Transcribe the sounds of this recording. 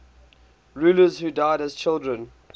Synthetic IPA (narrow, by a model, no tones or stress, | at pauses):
ɹuːləzhuːdaɪdəz̥t͡ʃʰɪlˠdɹə̃n